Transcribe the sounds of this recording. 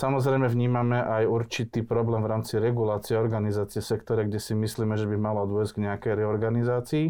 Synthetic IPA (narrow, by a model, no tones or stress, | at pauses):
samɔzɾɛjmɛvɲiːmamɛʔajuɾt͡ʃit̪iːpɾɔblɛːmvɾaːmt͡siɾɛɡulaːt͡siɛɔɾɡanizaːt͡siɛsɛkt̪ɔɾɛɡɟɛsimisliːmɛʒɛbimalɔd̪ʊɔzɟɡɲɛakɛjɾɛɔɾɡanizaːt͡siː